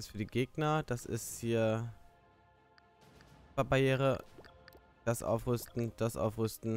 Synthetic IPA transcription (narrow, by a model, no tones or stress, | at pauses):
ɪstfyːɐdiːɡeːɡnɐd̥asɪ̰sthiːɐ | abajeːʁə | d̥asʔa̰ʊfʁ̥ʏstn̩d̥asʔa̰ʊfʁʏstn̩